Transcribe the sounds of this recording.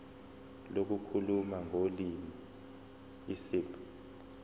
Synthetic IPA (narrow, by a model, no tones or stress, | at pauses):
lok̬ukʰulumaŋʱolimi | isiːpʰu̥